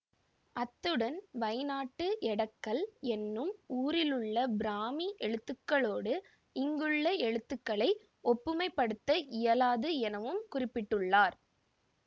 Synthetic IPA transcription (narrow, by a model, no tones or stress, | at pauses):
ʔɐt̪ːɯɽɐnʋɐɪnaːʈːɯʔɛɽɐkːɐɭɛnːɯmuːɾɪlɯɭːɐbɪɾaːmiʔɛɻɯt̪ːɯkːɐɭoːɽɯ | ɪŋɡɯɭːɐɛɻɯt̪ːɯkːɐɭɐɪ | ɔpːɯmɐɪpːɐɽɯt̪ːɐʔɪjɐlaːðɯɛnɐʋɯmkʊrɪpːɪʈːɯɭːaːɾ